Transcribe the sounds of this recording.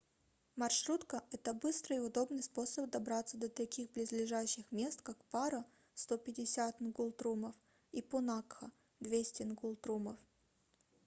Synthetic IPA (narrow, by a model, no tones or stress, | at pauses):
mɐrʂɾut̪kəʔɛt̪əbɨst̪ɾəɪʊd̪o̞bnɨjspo̞səp̚d̪ɐbɾat̪səd̪ət̪ɐkʲixblʲɪzlʲɪʐaɕːɪxmʲe̞st̪kakpaɾə | st̪opʲɪdʲɪsʲat̪nɡulˠt̪ɾuməf | ipʊnakxə | d̪vʲesʲtʲɪnɡulˠt̪ɾuməf